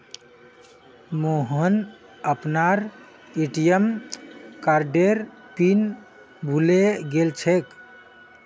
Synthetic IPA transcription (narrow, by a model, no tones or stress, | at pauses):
moɦən | əpnaɾ | eʈijəm | kaɾɖeɾ | pin | bʱuleɡelt͡ʃʰek